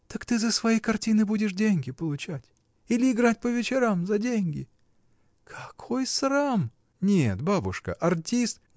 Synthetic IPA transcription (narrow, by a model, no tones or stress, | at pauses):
t̪əkt̪ɨzəsvɐjejkɐrtʲinɨbudʲɪʂdʲenʲɡʲɪpəlˠʊt͡ɕætʲ | ilʲɪɪɡɾatʲpəvʲɪt͡ɕɪɾamzɐdʲenʲɡʲɪ̰ | kʰɐkʰo̞jsram | nʲet̪babʊ̰ʂkə̰ʔɐrtʲist̪